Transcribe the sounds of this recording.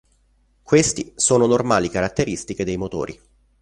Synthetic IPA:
kwest̪isoːnonormaːlikaɾat̪ːeɾist̪iked̪ejmot̪o̰ːɾʔḭ

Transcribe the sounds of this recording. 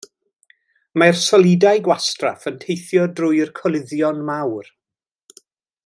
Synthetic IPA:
marsɔlˠidajɡwastra̰fəntʰejθjɔdrʊːjrkʰɔlˠɪðjɔnmawr

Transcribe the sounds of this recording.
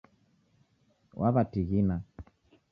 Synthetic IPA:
wʔaβatiɣina

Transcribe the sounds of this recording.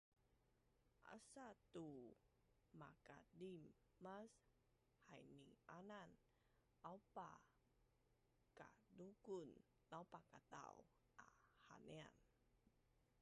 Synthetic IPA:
ʔa̰sat̪u | makadimːas | hajnianan | awpa | kadukun | lawpakat̪a̰w | aha̰nea̰n

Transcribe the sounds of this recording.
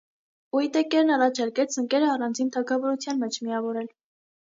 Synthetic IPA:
ujit̪ɛkɛɾnɑrɑt͡ʃʰɑɾkɛt͡sʰəŋkɛɾəɑrɑnd͡zint̪ʰɑkʰɑvɔɾut͡sʰjɑnmɛt͡ʃʰmiɑvɔɾɛl

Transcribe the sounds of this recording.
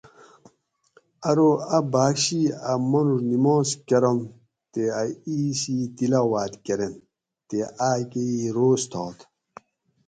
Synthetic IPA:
ɐɾoɐbaːkɕiɐmɐnuɾnimoːskɐɾɐm | t̪eaiːsit̪ilɐwaːt̪keɾen | t̪eʔaːkeiɾoːst̪ʰoːt̪

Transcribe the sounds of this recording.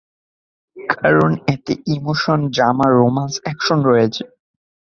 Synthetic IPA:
kʰaɾonɛt̪eʔimoʃondɾamaɾomansɛkʃonɾɔjet͡ɕʰe̥

